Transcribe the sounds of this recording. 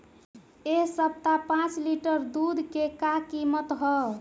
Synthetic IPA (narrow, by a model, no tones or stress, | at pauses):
eɦsəp̚t̪apãt͡ʃliʈəɾd̪ud̪ʱkekakimət̪ɦɔ